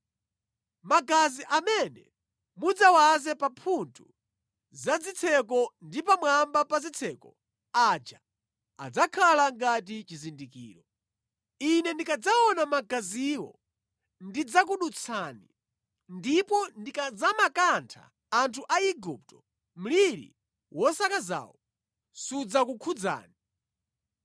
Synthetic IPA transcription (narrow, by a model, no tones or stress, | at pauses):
maɡaziʔamɛnɛ̰ | mud͡zawazɛpapʰuntʰu | zad͡zit͡sʰɛkɔndipamwambapazit͡sʰɛkɔ | ad͡ʒa | a̰d͡zakʰalaŋɡatit͡ʃizindikḭːɾɔ | inɛndikad͡zaɔnamaɡaziwɔ̰ | ndid͡zak̬uɗut͡sʰaːni | ndipɔndikad͡zamakantʰa̰ː | ntʰuʔaiɡup̚tɔ̥ | m̩liɾḭ | wɔsakaza̰ːwɔ | sud͡zakukʰud͡za̰ːni